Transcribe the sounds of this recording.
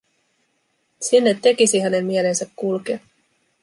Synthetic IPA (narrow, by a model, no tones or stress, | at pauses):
sinːet̪ːe̞kisiɦæne̞mːie̞le̞nsækːulke